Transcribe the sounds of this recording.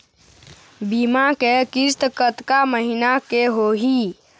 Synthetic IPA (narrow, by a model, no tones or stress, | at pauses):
bimakekist̪kət̪kaməɦinakeɦoɦi